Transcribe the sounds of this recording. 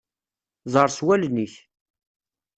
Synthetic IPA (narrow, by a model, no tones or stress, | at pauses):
zˤəɾˤswælniç